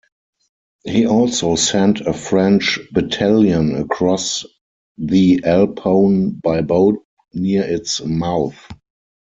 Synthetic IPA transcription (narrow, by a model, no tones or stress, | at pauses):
hiːʔɔlsoʊsɛ̃ntʰəfɹɛ̃nt͡ʃbɛtʰæljə̃nəkʰɹɔs | ðiʔɛlpʰõʊ̃nbaɪboʊt̚ | niəɪtsmaʊθ